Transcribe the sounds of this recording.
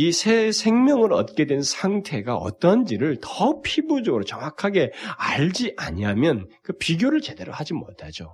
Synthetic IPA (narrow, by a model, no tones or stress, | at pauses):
isʰe̞sʰe̞ŋmjʌŋɯɾʌt̚k͈e̞dwe̞nsʰaŋtʰe̞ɡaʌ̰t͈ʌnd͡ʑiɾɯɭtʌpʰibud͡ʑʌɡɯɾot͡ɕʌŋakʰaɡe̞aɭd͡ʑiʔaɲiamjʌnkɯpiɡjoɾɯɭt͡ɕe̞de̞ɾohad͡ʑimo̰tʰad͡ʑo